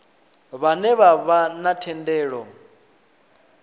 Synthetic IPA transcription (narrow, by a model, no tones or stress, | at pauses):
βanɛβaβanatʰɛndɛːɺɔ